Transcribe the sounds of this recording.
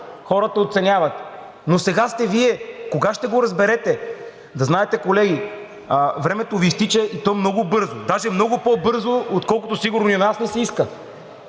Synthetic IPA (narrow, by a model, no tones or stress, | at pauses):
xɔɾət̪əot̪sɛnʲavɐt̪ | nosɛɡast̪ɛviɛkoɡaʃt̪ɛɡoɾɐzbɛɾɛt̪ɛ | d̪ɐznaɛt̪ɛkolɛɡʲi | əvɾɛmɛt̪ovist̪it͡ʃɛʔit̪ɔmnɔɡʊbɤɾzod̪aʒɛmnɔɡʊpɔbɤɾzoot̪kɔlˠkʊt̪osiɡʊɾnoionasnɛsɛiskə